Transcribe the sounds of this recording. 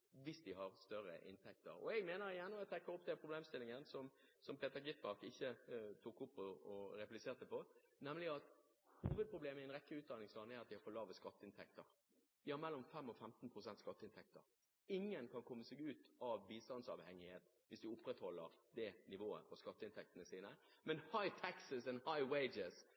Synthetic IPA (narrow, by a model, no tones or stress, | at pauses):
ʋɪsd̪ɪhɑɾst̪œɾə̰ʔɪ̰nt̪ʰɛk̚t̪ə̰ɾɔ̰ɛɡmeːnəɾɪjɛnːɔɛt̪ʰɛkːəɾɔpd̪ɛpʰɾʊbleːmst̪ɪlːɪŋənsɔmsɔmpeːt̪əɾɡɪt̪mɑʁkɪçːət̪ʰukʊpːɔɔɾɛplɪseːɾt̪əpɔnɛmlɪɑt̪ | huːʋəd̪̚pʁʊbleːməɪɛnʁɛkːəʉːt̪d̪ɑnɪŋslɑːnæɑt̪̚d̪ɪhɑɾfɔlɑːʋəskɑt̪ːəɪnt̪ʰɛkt̪əɾ | ʋ̪ɪhɑɾmɛlːɔmfɛmːɔfɛmt̪n̩pʰɾʊsɛnt̪skɑt̪ːəɪnt̪ɛk̚t̪ə̰ɾ | ɪŋːənkʰɑnkʰɔmːəsɛːɡʉːt̪ɑʋbiːst̪ɑnd̪sɑ̰ʋhɛŋɪheːt̪ | ʋɪsd̪ʉʊpːɾɛt̪hɔlːəɾd̪ɛnɪʋoːə̰fɔskɑt̪ːəɪnt̪ʰɛk̚t̪ənəsiːnəmɛnhɑɪt̪ʰæksɪsɛnhɑɪweɪd͡ʒəs